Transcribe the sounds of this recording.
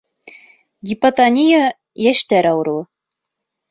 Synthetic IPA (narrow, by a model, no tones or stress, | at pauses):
ɡʲipat̪anʲija | jæʃt̪æɾɑwɾɤwˠɤ